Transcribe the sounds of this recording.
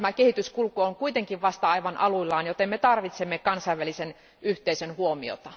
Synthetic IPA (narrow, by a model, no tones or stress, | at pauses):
mækehit̪yskulkooŋkuit̪eŋkiʋʋɑst̪ɑɑiʋɑnʔɑluilːɑːnjot̪emmet̪ɑrʋit̪semːekɑnsɑiʋʋælisen | yht̪eisønhuomio̰t̪ɑ